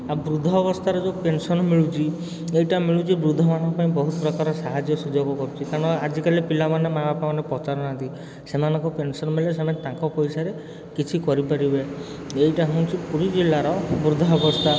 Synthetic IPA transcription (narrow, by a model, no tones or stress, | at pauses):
abɾud̪ʱɔːbɔst̪ʰaɾɔd͡ʒopensɔnɔmiɭut͡ʃʰi | ejʈamiɭut͡ʃʰibɾud̪ʱɔmanɔ̃ŋkɔpaĩbɔɦut̪ɔpɾɔkaɾɔsaɦad͡ʒjɔsud͡ʒɔɡɔkɔɾut͡ʃʰikaɾɔɽ̃ɔad͡ʒikalipilamanemabapamanepɔt͡ʃaɾɔnant̪i | semanɔ̃ŋkɔpensɔnɔmeles̬emat̪ãŋkɔpɔjsaɾe | kit͡ʃʰikɔɾipaɾibe | ejʈaɦɔ̃w̃t͡ʃʰipuɾid͡ʒilːaɾɔbɾud̪ʱɔɔbɔst̪ʰa